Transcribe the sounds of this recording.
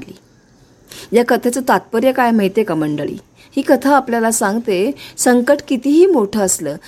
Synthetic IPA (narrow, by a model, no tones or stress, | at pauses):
liː | jakət̪ʰet͡sət̪at̪̚pəɾjəkajməjt̪ekaməɳɖəɭḭː | hiːkət̪ʰaapljalasaŋɡt̪esəŋkəʈkit̪iːɦiːmoʈʰəːsləː